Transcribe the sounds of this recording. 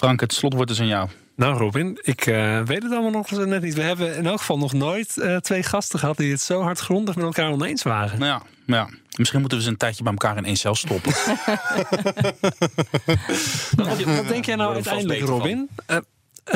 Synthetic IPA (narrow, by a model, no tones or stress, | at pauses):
frɑŋkətslɔtʋɔɹtdəs̬anjaːlˠ | nawrobɪnɪkʰəʋejtətɑlˠmalˠnɔχnɛtnitʋəɦɛbəɪnɛlˠkχə̥fɑlˠnɔχnoːjtətʋejχɑstəχəɦɑt̚diətsowɦɑɹtχrɔndəχmɛtɛlˠkaːɹɔnejnsʋaːrəja | jamɪsχinmutənʋəzəəntɛjtjəbɛjməkaːɾɪnʔejnsɛlˠstɔpən | ʋɔdɛŋkjɛjnawœɥtɛjndələkrobɪn